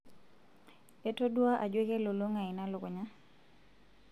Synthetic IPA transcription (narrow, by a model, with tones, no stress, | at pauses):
e˦to˦dwa˦ʔa˨d͡ʒwe˦ke˦lo˨lo˦ŋa˨ɪ˨na˦lʊ˨ko˨ɲa˦